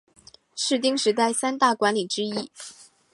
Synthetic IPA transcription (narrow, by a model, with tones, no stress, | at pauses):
ʂɻ̩˥˩t̪i˥ŋʂɻ̩˧˥t̪a˥˩ɪsa˥nt̪a˥˩kwa˧˥nli˨˩ʈ͡ʂɻ̩˥i˥